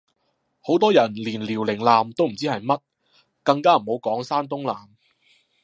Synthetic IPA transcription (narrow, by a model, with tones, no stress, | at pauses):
ho˨˥wt̪ɔː˥jɐ˨˩nliː˨˩nliː˨˩wlɪ˨˩ŋlaː˨mt̪o˥wm̩˨˩t͡siː˥hɐ˨jmɐ˥t̚ | kɐ˧ŋkaː˥m̩˨˩ho˨˧˥wkɔː˨˥ŋsaː˥nt̪ʊ˥ŋlaː˨m